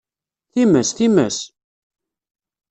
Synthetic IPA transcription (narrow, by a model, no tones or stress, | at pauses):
θimæsθimæs